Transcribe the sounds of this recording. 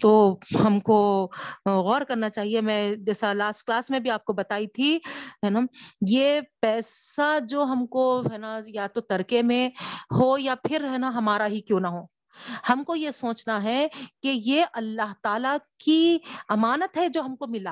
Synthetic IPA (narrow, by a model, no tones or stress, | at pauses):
t̪oːɦɐmko | ɣɔːɾkɐɾnat͡ʃaːɦiemɛ̃ːd͡ʒɛːsalaːsʈ̚klaːsmẽbʱiaːp̚kobɐt̪aːit̪ʰiɦɛːnajepɛːsad͡ʒoːɦɐmkoɦɛːnajat̪ot̪ɐɾkemẽɦojapʰɪɾɦɛːnaɦɐmaːɾaɦikjõːnɐɦoː | hɐmkojesoːt͡ʃnaɦɛkejeʔɐlːaɦt̪aːlakiɐmaːnət̪ɦɛd͡ʒoːɦɐmkomɪla